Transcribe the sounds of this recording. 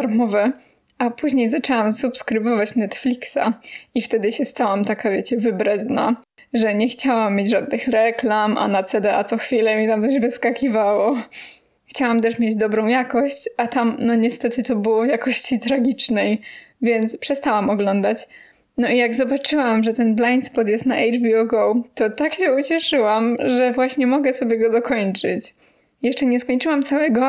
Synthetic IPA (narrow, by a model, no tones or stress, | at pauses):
aɾmɔvɛ | ʔapuʑɲejzat͡ʂɛwamsupskɾɘbɔvat͡ɕnɛt̪flʲiksa̰ift̪ɛd̪ɘɕɛst̪awamt̪akavʲjɛt͡ɕɛvɘbɾɛd̪na̰ | ʐɛɲɛxt͡ɕawamːjed͡ʑʐad̪̚nɘxɾɛklamʔa̰nat̪sɛd̪ɛat̪sɔxfʲilɛmʲɛt̪amt̪ɔʑvɘskakʲivawɔ | xt͡ɕawamt̪ɛʂmʲjed͡ʑd̪ɔbɾɔ̃w̃jakɔɕt͡ɕat̪amnɔɲɛst̪ɛt̪ɘt̪ɔbɨwɔjakɔɕt͡ɕit̪ɾaɡʲit͡ʂnɛjvʲjɛnt̪spʂɛst̪awamɔɡlɔnd̪at͡ɕ | nɔijaɡzɔbat͡ʂɘwamʐɛt̪ɛnblajnspɔt̪jɛst̪naʔɛjɖ͡ʐbʲiɔɡɔwt̪ɔt̪akɕɛut͡ɕɛʂɘwamʐɛvwaɕɲɛmɔɡɛsɔbʲjɛɡɔd̪ɔkɔɲt͡ʂɘt͡ɕ | jɛʂt͡ʂɛɲɛskɔɲt͡ʂɨwamt̪sawɛɡɔ